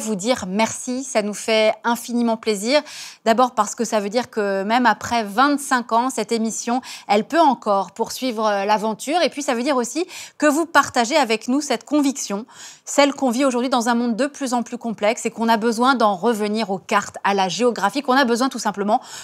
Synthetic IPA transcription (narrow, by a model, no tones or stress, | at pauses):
vud̪iʁmɛʁsisanufɛɛ̃finimɑ̃pleziʁd̪abɔʁpaʁsə̥kəsavød̪iʁkəmɛmapχɛvɛ̃t̪sɛ̃kɑ̃sɛt̪emisjɔ̃ɛlpøɑ̃kɔʁpuʁsɥivʁəlavɑ̃t̪ʰyːʁepɥisavød̪iʁosikəvupaʁt̪aʒeavɛknusɛt̪kɔ̃viksjɔ̃sɛlkɔ̃vioʒuʁd̪ɥid̪ɑ̃zɛ̃mɔ̃d̪ːəplyzɑ̃plykɔ̃plɛksekɔ̃nabəzwɛ̃d̪ɑ̃ʁəvəniʁokaʁt̪alaʒeɔɡʁafikɔ̃nabəzwɛ̃t̪usɛ̃pləmɑ̃